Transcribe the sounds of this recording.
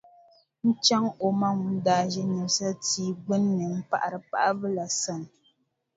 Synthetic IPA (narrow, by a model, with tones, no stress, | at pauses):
n̩˦t͡ʃa˦ŋo˨ma˦ŋ̩˨˦daː˨ʒɛ˦ɲi˨sa˦tiː˨˦ɡ͡bɨ˦nː˦ɨ˨m̩˦pa̰˨ʔa˨ɾɨ˨pa̰˨ʔa˦bɨ˦la˨sa˨n˨